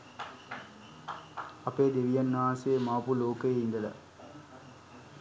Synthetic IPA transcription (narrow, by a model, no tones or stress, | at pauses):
ɐpeːd̪eʋijɐnːaːseːmaːpuloːkəeind̪əlɐ̰